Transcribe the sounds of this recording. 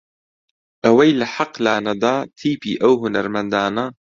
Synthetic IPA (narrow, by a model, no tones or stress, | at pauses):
ʔawajlaħɑqlaːnad̪aːt̪ʰiːpiːʔawɦʊnaɾˤmand̪aːna